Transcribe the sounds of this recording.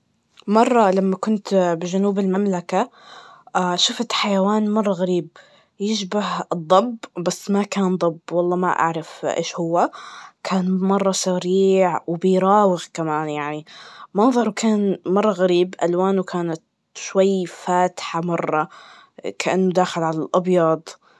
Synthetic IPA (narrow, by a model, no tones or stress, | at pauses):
mɑrˤːɑlamːakʊnt̪bɪʒʊnuːbɪlmamlaka | ʃʊft̪ħajawaːnmɑrˤːɑɣaɾiːb̚ | jɪʃbahɨd̪ˤːɑbbasːmakaːnd̪ˤɑbwɑlˤːɑːma̰ʔa̰ʕɾˤɑfʔḛːʃhʊwːakʰaːnmɑrˤːɑsaɾiːʕwbɪjɾˤɑːwɪɣkamaːnjaʕnimɑnðˤɑɾˤwkʰaːnmɑrˤːɑɣaɾiːbʔalwaːnukʰaːnat̪ | ʃwajːfaːt̪ħamɑrˤːɑ | kʰaʔanːʊd̪aːxɪlʕalalʔɑbjɑd̪ˤ